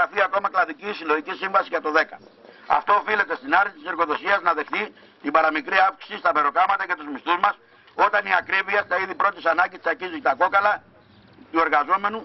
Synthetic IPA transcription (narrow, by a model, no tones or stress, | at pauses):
ɐfiɐko̞mɐklɐðiciːsilo̞ʝicisiɱvɐsiʝɐt̪o̞ðe̞kɐɐ̰ft̪o̞ːfile̞t̪e̞st̪inɐɾit̪ise̞ɾɣo̞ðo̞siɐznɐðe̞xt̪i | t̪ibɐɾɐmikɾiɐfksi̥sist̪ɐbe̞ɾo̞kɐmɐt̪ɐcɐt̪uzmist̪uzmɐs | o̞t̪ɐniɐkɾiviɐst̪ɐiðipɾo̞t̪isɐnɐɲɟist̪isɐɾcizt̪ɐko̞kɐlɐ | t̪ue̞ɾɣɐzo̞me̞nu